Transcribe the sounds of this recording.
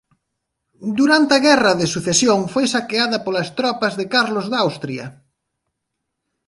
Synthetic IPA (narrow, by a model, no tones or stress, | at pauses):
d̪uɾant̪ɐɣɛrɐðɪsuθesjoŋfojsakeaðɐpolɐst̪ɾɔpɐzðɪkaɾlozðawst̪ɾiɐ